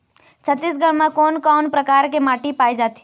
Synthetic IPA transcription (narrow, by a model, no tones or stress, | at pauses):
t͡ʃʰət̪ːis̬ɡəɽmãkoːnkɔːnpɾəkaːɾkemaːʈipaːid͡ʒaːt̪i̥